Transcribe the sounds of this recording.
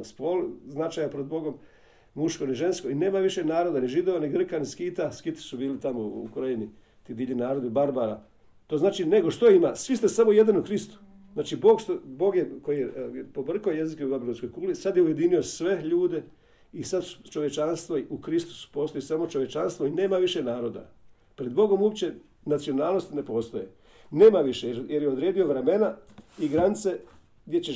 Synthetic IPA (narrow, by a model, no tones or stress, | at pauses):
spolznat͡ʃaːjapɾod̪̚bo̞ɡo̞m | muʃko̞niʒe̞nsko̞ine̞ːmaʋiʃenaːɾo̞d̪aniʒid̪o̞ʋaniɡr̩kaniskit̪askit̪i̥subiːlit̪amoṵkoɾojini | t̪iːd̪iːʎinaːɾod̪ibaɾbaɾa | t̪o̞ːznaːt͡ʃine̞ɡo̞ʃt̪oimasʋist̪esamo̞je̞d̪anukɾist̪u̥ | znaːt͡ʃibo̞ːɡst̪obo̞ːɡjeko̞jijepo̞br̩kaojezikeubabilusko̞jkuːlisad̪jeuje̞d̪iniosʋe̞ʎuːd̪e̞ | isad̪su̥t͡ʃo̞ʋjet͡ʃanst̪ʋoiʔukɾist̪u̥su̥po̞ːst̪o̞jisamo̞t͡ʃo̞ʋje̞t͡ʃanst̪ʋo̞ineːmaʋiʃenaːɾo̞d̪a̰ | pɾe̞d̪̚bo̞ɡo̞muopt͡ɕe̞ | nat̪sionaːlˠno̞st̪ne̞po̞ːst̪oje | ne̞ːmaʋiʃejjeɾjeod̪ɾeːd̪io̞ʋɾeme̞naiɡɾanit̪se̞ | ɡd̪ʲjet͡ɕe